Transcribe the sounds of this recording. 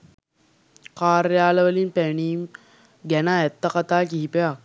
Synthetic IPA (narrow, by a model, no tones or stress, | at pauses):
kaːɾəjaːlɐʋəlinpæɳiːm | ɡænaɛt̪ːɐkat̪aːkiɦipeʋa